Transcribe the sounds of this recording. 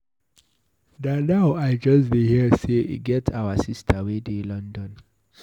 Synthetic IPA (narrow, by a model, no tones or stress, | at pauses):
danaʊaɪd͡ʒɔsdehiseḭɡɛtʰawasistʰawedelɔ̃ndɔ̃n